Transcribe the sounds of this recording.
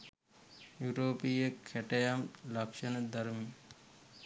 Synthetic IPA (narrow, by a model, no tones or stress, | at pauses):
juɾoːpijekʰːɛʈɐjamlɐkʂənəd̪ɐɾmi